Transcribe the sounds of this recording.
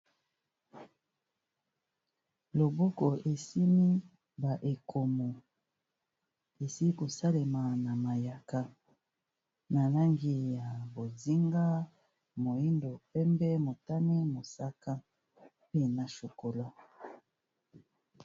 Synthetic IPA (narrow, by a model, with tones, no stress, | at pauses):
lo˨bo˦ko˨ʔe˨si˦mi˦ | ba˨ʔe˨kʰo˨mo˨ | e˨si˦ko˨sa˦le˨ma˨na˨ma˨ja˨ka˦ | na˨la˦ŋɡi˨ja˨bo˨zi˦ŋɡa˦ | mo˨i˦ndo˨pɛ˦mbɛ˦mo˨ta˦ne˦mo˨sa˦ka˦ | pe˦na˨ʃo˨ko˨la˦